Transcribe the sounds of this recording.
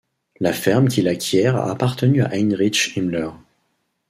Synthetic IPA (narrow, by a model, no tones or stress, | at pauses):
lafɛʁmkʲilakʲʰjɛʁa̰ːpaʁt̪ənya̰ʔɛnʁit͡ʃimlœʁ